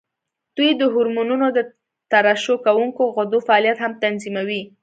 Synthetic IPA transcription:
d̪̥ujd̪əɦʊɾmununod̪ə | t̪aɾaʃokawuŋkoɣʊd̪ofaɑljat̪hamt̪anzimawi

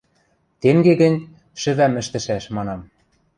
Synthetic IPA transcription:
t̪eŋɡeɣɘ̆nʲ | ʃɘ̆βæmɘ̆ʃt̪ɘ̆ʃæʃmɑnɑm

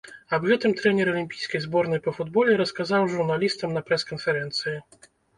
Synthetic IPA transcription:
ɐbɣɛt̪ɨmt̪ɾɛnʲɛɾɐlʲimʲpʲijskɐjzbɔɾnɐjpɐfud̪bɔlʲɛɾɐskazawʐurnalʲist̪ɐmnɐpɾɛskɐnfɛɾɛnt̪sɨji

